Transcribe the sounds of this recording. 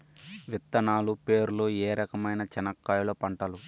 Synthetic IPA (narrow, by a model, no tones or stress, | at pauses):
ʋit̪ːɐnaːlupe̞ːɾuloːeːɾɐkɐmɐjnɐt͡ʃɐnɐkːaːjloːpɐɳʈɐlu